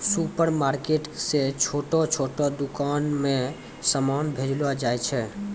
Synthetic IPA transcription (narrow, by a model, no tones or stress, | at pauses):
supəɾmaɾkeʈset͡ʃʰoʈɔt͡ʃʰoʈɔd̪ukanmẽ | səmanbʱed͡ʒlad͡ʒajt͡ʃʰɛ